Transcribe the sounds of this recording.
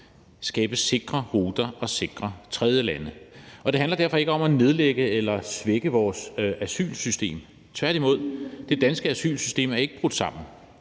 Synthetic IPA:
sɡ̥ɛːb̥əse̝ɡ̥ʁɐʁuːd̥ɐɒ̽se̝ɡ̥ʁɐt͡sʰʁɛð̞ˠjəlænəʔɒd̥e̝ɦænlɐd̥æɐfɒ̽e̝ɡ̥əɒ̽mæne̝ð̞ˠleɡ̥əelɐsʋeɡ̥əʋɒːsæsy̰ːlsysd̥e̝̰ːm | t͡sʰʋæɐd̥imo̝ð̰ˠd̥e̝d̥ænsɡ̥əæsy̰ːlsysd̥e̝̰ːmæɐe̝ɡ̥əb̥ʁod̥sɑ̈m̰n̩

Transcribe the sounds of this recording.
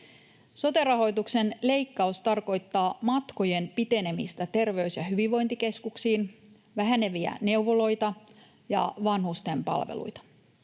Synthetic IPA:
so̞t̪erɑɦo̞jt̪ukse̞nle̞jkːɑust̪ɑrko̞jt̪ːɑːmɑt̪ko̞je̞npit̪e̞ne̞mist̪æt̪e̞rʋe̞ysjɑɦyʋiʋːo̞jnt̪ike̞skuksiːn | ʋæɦæneʋiæ̰ne̞uʋolo̞jt̪ɑ | jɑ̰ʋɑnhust̪e̞mpɑ̰lʋḛlṵjt̪ɑ̥

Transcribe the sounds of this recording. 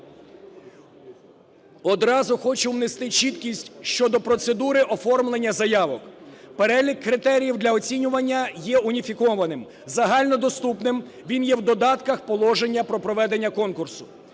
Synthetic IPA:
ɔd̪ɾɑzʊxɔt͡ʃʊwnest̪ɪt͡ʃit̪kʲisʲtʲʃt͡ʃɔd̪ɔpɾɔt̪sed̪uɾɪʔɔfɔrmlˠenʲːɐzɐjɑʋɔkpeɾɛlʲikːɾɪt̪ɛɾʲijiwd̪lʲɐɔt͡sʲinʲʊʋɐnʲːɐjɛʊnʲifʲikɔʋɐnɪm | zɐɦɑlʲnɔd̪ɔst̪upnɪm | ʋʲinjɛwd̪ɔd̪ɑt̪kɐxpɔlˠɔʒenʲːɐpɾɔpɾɔʋɛd̪e̞nʲːɐkɔnkʊrsʊ̥

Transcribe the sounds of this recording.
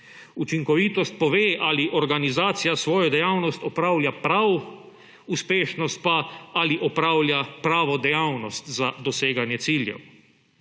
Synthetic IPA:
ut͡ʃiŋkɔʋiːt̪ɔst̪̚pɔʋeːʔaliʔɔɾɡanizaːt̪sijasʋɔːjɔd̪ɛjaːwnɔst̪ɔpɾaːwlʲjapɾaw | uspeːʃnɔst̪̚paaliʔɔpɾaːwljapɾaːʋɔd̪ɛjaːwnɔst̪zad̪ɔseːɡanjɛt̪siːljɛ̰w

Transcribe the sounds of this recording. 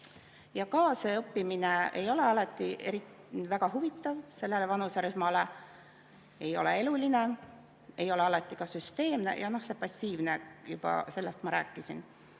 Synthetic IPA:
jɑkɑːseɤpːimine̞ejo̞le̞ɑlɑt̪ˑːiʔe̞ɾi | væɡ̥ɑɦuvit̪ːˑɑvse̞lːe̞levɑnuseɾysmɑle | e̞jo̞̰le̞eluline̞ | e̞jo̞le̞ɑlɑt̪ːˑikɑsyst̪e̞ːmne̞̰jʔɑno̞hse̞pɑsʲːiːvnejub̥ɑ̰se̞lːe̞st̪mɑɾæːkːˑisin

